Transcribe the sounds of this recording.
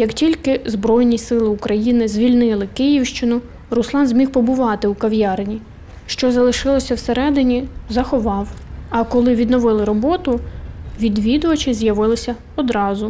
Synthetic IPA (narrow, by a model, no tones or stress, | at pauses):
jɐktʲilʲkɪzbɾɔjnʲisɪlˠɪukɾɐjinɪzʲʋʲilʲnɪlˠɪkɪjiwʃt͡ʃɪnʊ | rʊslˠɑnzʲmʲiwpɔbʊʋɑt̪ɪukɐwʲjɑrnʲi | ʃt͡ʃɔzɐlˠɪʃɪlˠɔsʲɐwseɾɛd̪ɪnʲizɐxɔʋɑwɐkɔlˠɪʋʲid̪nɔʋɪlˠɪɾɔbɔt̪ʊʋʲid̪ʋʲid̪ʊʋɐt͡ʃɪzʲjɐʋɪlˠɪsʲɐ | ɔd̪ɾɑzʊ